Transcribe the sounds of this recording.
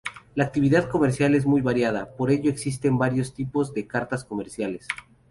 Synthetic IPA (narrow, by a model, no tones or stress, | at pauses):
laːk̚t̪iβiðaðko̞me̞ɾsjale̞zmujβaɾjað̞apo̞ɾe̞ʝo̞eksis̬t̪e̞mbaɾjo̞st̪ipo̞zðe̞kaɾt̪asko̞me̞ɾsjale̞s